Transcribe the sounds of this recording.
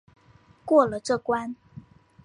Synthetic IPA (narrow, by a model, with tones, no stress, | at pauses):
kwɔ˥˩lə˨ʈ͡ʂɤ˥˩kwa˥n